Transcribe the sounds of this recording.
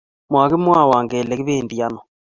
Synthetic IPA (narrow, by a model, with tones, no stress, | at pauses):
mwaː˨ɣe˦mwa˦˨waː˨ŋɡeː˨lɛ˨ke˦βeː˦˨ndi˨a˦nɔ˨